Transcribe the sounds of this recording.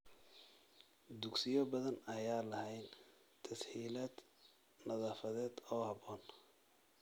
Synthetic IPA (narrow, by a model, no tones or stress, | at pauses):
d̪ʊɡsɪjɔbɐðɐnɐjaːlɐhɛjn | t̪ʰɐsħiːlaːd̪̥ | nɐðaːfɐðɛːd̪ɔːhɑβɔːn